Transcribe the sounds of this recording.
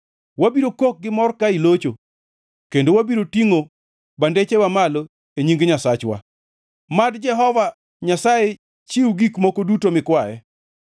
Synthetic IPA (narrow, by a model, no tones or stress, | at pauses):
wabiɾokok̚ɡɪmɔrkailot͡ʃo | kendowabiɾotiŋo | bandet͡ʃewamalo | eɲiŋɡɲasat͡ʃwa̰ | madd͡ʒɛɦɔva | ɲasaje | t͡ʃiwuɡikmokodutomɪkwajɛ̰